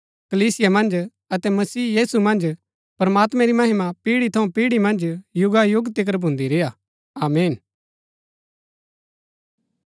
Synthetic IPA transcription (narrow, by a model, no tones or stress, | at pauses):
kɐliːsɪjamɐ̃nd͡ʒ | ɐt̪ɛmɐsiːjiːsumɐ̃nd͡ʒ | pɾɐmaːt̪mɛ̃ɾimɐɦɪmapiːɽit̪ʰɐũpiːɽimɐ̃nd͡ʒjʊɡajʊɡt̪ɪk̬əɾbʱʊ̃nd̪iɾeːja | aːmeːn